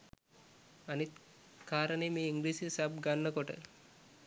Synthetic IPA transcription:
anit̪ | kʰaːɾəneːmeːiŋɡliːsisabɡanːəkoʈə̰

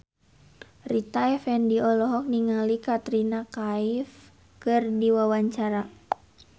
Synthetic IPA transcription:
rit̪aɛfɛndiɔlɔɦɔk̚niŋalikat̪ɾinakaif | kɨrdiwawaɲt͡ʃaɾa

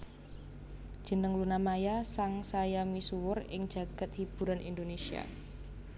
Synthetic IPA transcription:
d̥ʒ̥ənəŋlunamajasaŋsajamisuwʊrɪ̰ŋ̥d͡ʒ̥a̤ɡ̥a̤t̪̚hib̥ṳɾanḭndonesia̰

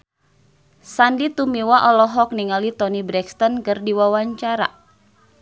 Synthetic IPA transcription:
sandit̪umiwaʔɔlɔɦɔk̚niŋalit̪ɔnibɾɛkst̪ɔnkɨrdiwawaɲt͡ʃaɾa̰

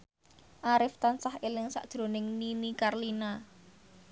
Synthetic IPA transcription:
ʔaɾɪft̪ansahelɪŋsa̰ʔd̪̥ɾo̤nɪŋninikarlina

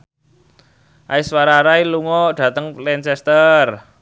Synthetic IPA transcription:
ʔaiswaɾaɾailuŋɔɖ̥ä̤t̪əŋlɛnt͡ʃɛst̪ər

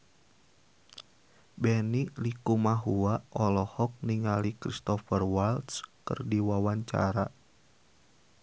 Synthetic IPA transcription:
bɛnilikumaɦuaʔʔɔlɔhɔk̚niŋalikɾist̪ɔfərwalt̪skɨ̰rdiwawaɲt͡ʃa̰ɾa

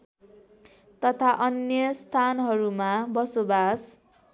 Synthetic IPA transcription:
t̪ʌt̪ʰaʔʌnjʌst̪ʰanɦʌɾumabʌsobas

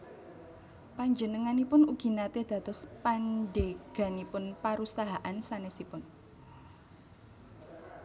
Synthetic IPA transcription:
paɲd͡ʒənəŋanipʊnuɡ̥i̤nat̪ed̪̥ä̤t̪ɔspandeɡ̥a̤nipʊnpaɾusaɦaʔansanɛsipʊn

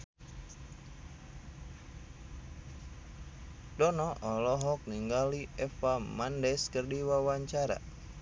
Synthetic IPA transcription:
dɔnɔʔɔlɔɦɔk̚niŋɡaliʔɛfamandɛskərdiwawaɲt͡ʃaɾa̰

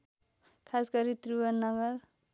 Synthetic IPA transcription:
kʰaskʌɾit̪ɾuwʌnnːʌɡʌɾ

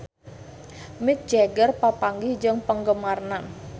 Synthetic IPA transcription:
mɪk̚d͡ʒaɡərpapaŋɡɪhd͡ʒəŋpəŋɡəmarnan

